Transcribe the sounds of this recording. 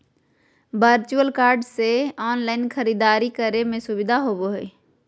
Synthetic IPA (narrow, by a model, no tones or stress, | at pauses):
bəɾt͡ʃuəlkaːɾɖseɔːnlaːɪnkʰəɾid̪aːɾikəɾemẽsʊbɪd̪ʱaɦoboɦeː